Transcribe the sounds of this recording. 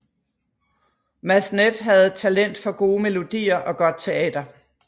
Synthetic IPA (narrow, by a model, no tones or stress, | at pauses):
mæsned̥ɦæð̞̩ˠt͡sʰælen̰d̥fɒ̽ɡ̥o̝ːme̝lo̝d̥ḭːɐʔɒ̽ɡ̥ɒ̽d̥̚t͡sʰe̝ɛ̰ːd̥ɐ